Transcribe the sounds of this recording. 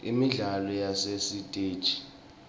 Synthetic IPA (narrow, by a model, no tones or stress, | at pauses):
ḭmiɮalɔjasesitʼe̥ːt͡ʃʼi̥